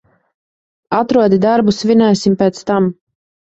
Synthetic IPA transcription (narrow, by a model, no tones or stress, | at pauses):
at̪ɾuɔd̪id̪aɾbusvʲinajsʲimpɛːt̪st̪am